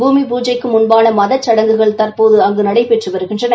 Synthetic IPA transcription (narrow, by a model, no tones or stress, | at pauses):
buːmipuːd͡ʒɐɪkːɯmʊnbaːlɐmɐðɐt͡ʃːɐɽɐŋɡɯɣɐɭt̪ɐrpoːðɯɐŋɡɯnɐɽɐɪpɛʈrɯʋɐɾɯɣɪndrɐnɐ